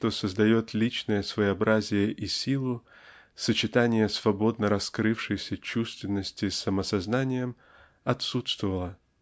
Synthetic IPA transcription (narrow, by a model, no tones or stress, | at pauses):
ʂt̪o̞səzd̪ɐjo̞t̪lʲit͡ɕnəjəsvəjɪɐbɾʔazʲɪjəʔisʲilˠʊ | sət͡ɕɪt̪anʲɪjəsvɐbo̞d̪̚nəɾɐskɾɨfʂɨjsʲət͡ɕust̪vʲɪnːəsʲtʲɪsəməsɐznanʲɪjəm | ɐt̪sut̪st̪vəvəlˠə